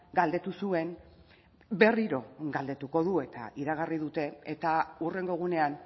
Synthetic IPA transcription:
ɡald̪e̞t̪usue̞n | be̞riɾo̞ɡald̪e̞t̪uko̞ðue̞t̪a̰ʔiɾaɣ̞ariðut̪e̞et̪aure̞ŋɡo̞ɣ̞une̞an

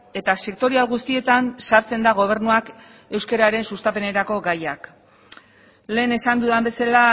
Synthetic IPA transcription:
e̞t̪ase̞kt̪o̞ɾialɣust̪ie̞t̪ansaɾt͡se̞nd̪aɣ̞o̞β̞e̞ɾnuak | e̞wske̞ɾaɾe̞nsust̪ape̞ne̞ɾako̞ɣajak | le̞ːne̞sand̪uðambe̞sala

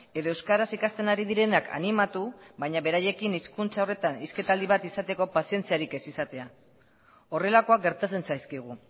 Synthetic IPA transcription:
e̞ðoe̞wskaɾasikast̪e̞naɾiðiɾe̞nakʰa̰nimat̪ubaɲaβe̞ɾaje̞kiniskunt͡sao̞re̞t̪aniske̞t̪ald̪iβ̞at̪isat̪e̞ko̞pasie̞nt͡siaɾike̞sisat̪e̞a | o̞re̞lako̞ak̚ɡe̞ɾt̪at͡se̞nsajskiɣ̞u

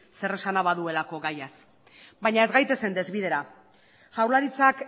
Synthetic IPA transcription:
se̞re̞sanaβaðue̞lako̞ɣajas | bajɲae̞zɡajt̪e̞se̞nd̪e̞zβiðe̞ɾa | ʝawɾlaɾit͡sak

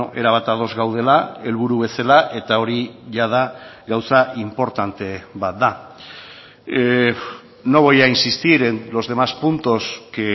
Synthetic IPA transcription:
ʔe̞ɾaβat̪að̞o̞zɣawð̞e̞lae̞lβuɾuβe̞salaʔe̞t̪ao̞ɾiʝað̞aɡawsaʔimpo̞ɾt̪ant̪e̞βat̪̚d̪a | no̞β̞ojainsist̪iɾenlo̞zðe̞maspunt̪o̞ske

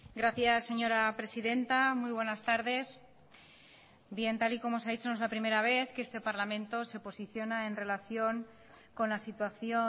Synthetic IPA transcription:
ɡɾaθjasːe̞ɲo̞ɾapɾe̞siðe̞nt̪amujβ̞we̞nast̪aɾðe̞s | bje̞nt̪aliko̞mosaðit͡ʃono̞zlapɾime̞ɾaβ̞e̞θkeest̪e̞paɾlamẽ̞nt̪o̞se̞po̞siθjo̞naenre̞laθjo̞ŋ | ko̞nlasit̪waθjo̞

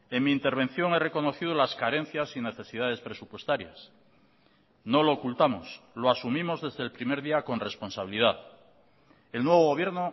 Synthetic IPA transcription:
e̞ŋmiːnt̪e̞ɾβ̞e̞n̟θjo̞ŋere̞ko̞no̞θið̞olaskaɾe̞n̟θjasine̞θe̞siðað̞e̞spɾe̞supwe̞st̪aɾjas | no̞loːkult̪amo̞sloasumĩmo̞zðe̞zðeːlpɾime̞ɾðiako̞nre̞spo̞nsaβiliðaθ | e̞lnwe̞β̞o̞ɣo̞βje̞ɾno

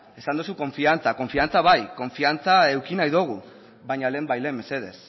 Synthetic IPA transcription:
e̞sand̪usuko̞ɱfiant͡sako̞ɱfiant͡saβajko̞ɱfiant͡sae̞wkinajðoɣ̞u | βajɲale̞ːmbajle̞me̞se̞ð̞e̞̰s

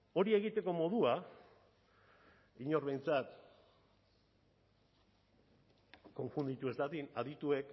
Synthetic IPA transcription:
o̞ɾie̞ɣ̞it̪e̞ko̞mo̞ðua | iɲo̞ɾβe̞jnt͡sat̪ | ko̞ɱfund̪it̪ue̞zɡ̪at̪inaðit̪ue̞k

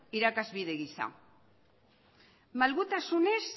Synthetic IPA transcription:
iɾakazβiðe̞ɣisa̰ | malɣut̪asunes

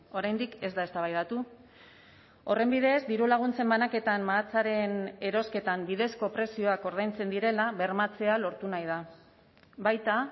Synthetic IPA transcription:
o̞ɾajnd̪ike̞zd̪ae̞st̪aβajðat̪u | o̞re̞mbið̞e̞zd̪iɾulaɣ̞unt͡se̞mbanake̞t̪ammaːt͡saɾe̞ne̞ɾo̞ske̞t̪ambiðe̞sko̞pɾe̞sio̞ako̞ɾð̞ajnt͡se̞nd̪iɾe̞laβe̞ɾmat͡se̞alo̞ɾt̪unajð̞a | βajt̪a

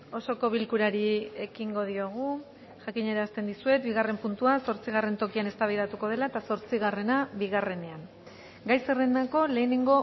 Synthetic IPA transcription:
o̞so̞ko̞βilkuɾaɾie̞kiŋɡo̞ð̞io̞ɣ̞u | ʝakiɲe̞ɾeast̪e̞nd̪isue̞t̪̚biɣ̞are̞mpunt̪uaso̞ɾt͡siɣ̞are̞nt̪o̞kiane̞st̪aβajðat̪uko̞ð̞e̞laet̪aso̞ɾt͡siɣ̞are̞naβiɣare̞ne̞an | ɡajserenako̞le̞ːneŋɡo̞

